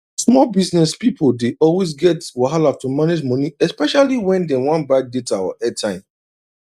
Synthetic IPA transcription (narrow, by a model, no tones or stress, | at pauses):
smɔlbisnɛspipodeʔɔlwes̬ɡɛtwaɦalatomaned͡ʒmɔ̃niɛspɛʃaliwɛ̃ndɛ̃wãnbɹaɪk̚detawa̰ʔɛtʰːãɪ̃m